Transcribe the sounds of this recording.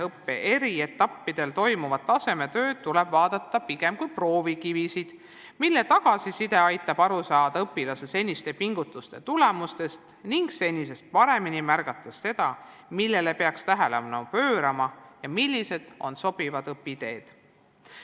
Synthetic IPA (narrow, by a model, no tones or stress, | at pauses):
ɤpːeʔe̞ɾie̞t̪ːˑɑpːid̪̥e̞lt̪o̞jmuvɑd̪̚t̪ːɑse̞me̞t̪ø̞ːd̪̚t̪ːulɛb̥vɑːd̪̥ɑt̪ˑːɑpiɡ̥e̞mkujpro̞ːvikivisid̪̥ | milːe̞t̪ɑɡ̥ɑsisid̪e̞ɑjt̪ːˑɑb̥ɑɾusɑːd̪̥ɑɤpːilɑsese̞nʲːist̪e̞piŋɡ̥ut̪ːˑust̪e̞t̪ule̞must̪e̞st̪niŋɡse̞nʲːis̬e̞st̪̚pɑɾe̞minimærɡ̥ɑt̪ˑːɑsːe̞d̪̥ɑ | milːe̞le̞pe̞ɑkst̪æɦelevɑnopø̞ːɾɑmɑjɑmilʲːise̞d̪̥o̞̰nso̞b̥ivɑd̪ɤpːid̪e̞ːd̪̥